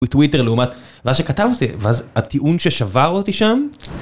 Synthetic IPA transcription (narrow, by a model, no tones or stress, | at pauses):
itwiteʁleumat | veazʃekatavot̪iveazat̪iʔunʃeʃavaʁotiʃam